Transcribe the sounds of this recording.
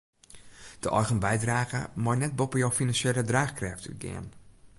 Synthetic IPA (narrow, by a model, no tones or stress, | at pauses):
d̥əʔɔjɣənbɛjdraːɣə̰mɔjnɛt̚bopəjowfinansjelədraːχkrɛfty̰ɡɪ̰ən